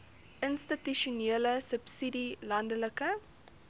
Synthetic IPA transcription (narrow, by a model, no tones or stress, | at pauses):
ʔənstityʃuneələsəpsidilɐndələkə